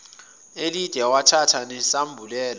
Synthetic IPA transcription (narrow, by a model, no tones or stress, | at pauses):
elid̥ʱɛwatʰatʰanɛsambʱulɛːla